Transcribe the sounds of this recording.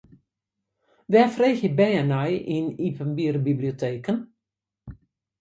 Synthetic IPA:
ʋɛfreːxjəbɛənajinipənbiərbibliotʰeːkən

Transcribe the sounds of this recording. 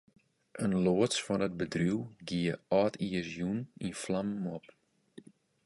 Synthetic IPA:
ʔənloəsfɔnət̚bədruwɡiəɔːtʰiəsjuninflammɔp

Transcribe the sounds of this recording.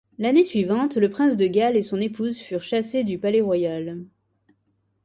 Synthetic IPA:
lanesɥivɑ̃t̪ləpχɛ̃sd̪əɡalesɔ̃nepuzfyʁʃased̪ypalɛʁwajal

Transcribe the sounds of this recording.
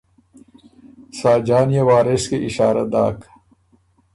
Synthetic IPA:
saːd͡ʑaːnijewaːɾeskeʔiɕaːɾɐd̪a̰ːk

